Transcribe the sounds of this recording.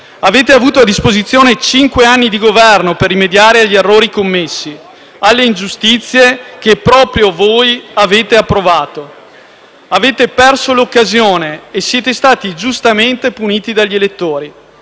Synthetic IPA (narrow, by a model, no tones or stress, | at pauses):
aveːt̪eavuːt̪oad̪ːispozit̪sːjoːnet͡ʃiŋkweanːid̪iɡovɛrnoperːimed̪jaːɾeaʎːierːoːɾikomːesːi | alːeind͡ʒust̪it̪sːjek̟epːɾɔːpɾjovojaveːt̪eapːɾovaːt̪o | aveːt̪epɛrsolokːazjoːneːsːjɛːt̪est̪aːt̪id͡ʒust̪ament̪epuniːt̪id̪aʎːielet̪ːoːɾi